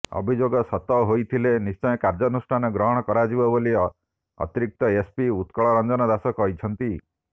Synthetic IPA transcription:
ɔ̰bʱid͡ʒoɡɔsɔt̪ɔɦojt̪ʰilenist͡ʃɔjɔkaɾd͡ʒɔnusʈʰanɔɡɾɔɦɔɽ̃ɔkɔɾad͡ʒibɔboliɔ | ɔ̰t̪iɾik̚t̪ɔespiut̪kɔɭɔɾɔnd͡ʒɔnɔd̪asɔkɔɦit͡ʃʰɔnt̪i

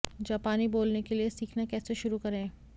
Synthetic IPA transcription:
d͡ʒaːpaːniboːlnekeliesiːkʰnakɛːseʃʊɾukɐɾẽː

